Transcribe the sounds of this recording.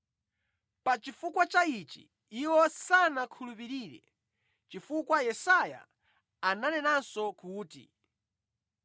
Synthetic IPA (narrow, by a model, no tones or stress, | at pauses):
pat͡ʃifukwat͡ʃait͡ʃḭ | iwɔsanakʰulupiɾiːɾɛ̰ | t͡ʃifukwajɛsaja̰ː | nanɛnansɔkuːtḭ